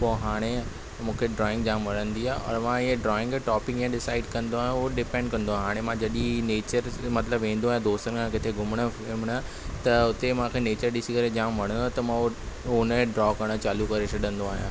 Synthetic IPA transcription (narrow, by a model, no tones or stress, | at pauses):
poːɦaːɽ̃e | mũːkʰeɖɾɔːɪ̃ŋɡd͡ʑaːmʋɐɽ̃ə̃nd̪iaːɦɔ̰ːɾmãɪɦẽɖɾɔːɪ̃ŋɡʈɔːpɪ̃kjãɗɪsaːɪɖkɐ̃nd̪oaːɦijõoɖɪpɛ̃ɳɖ̚kɐ̃nd̪oːɦaːɽ̃emãd͡ʑɐɗineːt͡ɕəɾmɐt̪ləbʋẽːn̆d̪oaɦjãd̪oːst̪ənəkʰãkɪt̪ʰeɡʱʊməɽ̃ə̆ | ɪmɽ̃ə | t̪ɐʊt̪emãːkʰeneːt͡ɕəɾɗɪsikɐɾed͡ʑaːmʋɐɽ̤̃ə̃nd̪ot̪ɐmão | onəɖɾɔːkɐɽ̃ət͡ɕaːlukɐɾeʃʰɐɗə̃nd̪oaːɦjã̰ː